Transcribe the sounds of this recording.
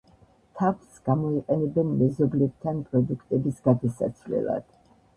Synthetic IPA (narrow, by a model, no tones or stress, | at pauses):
t̪ʰavsɡ̥amɔiqʼɛnɛbɛnmɛzɔblɛb̚t̪ʰanpʼɾɔd̪ukʰt̪ʼɛbisɡ̥ad̪asa̰t̪sʰvlɛ̰lˠa̰d̪̥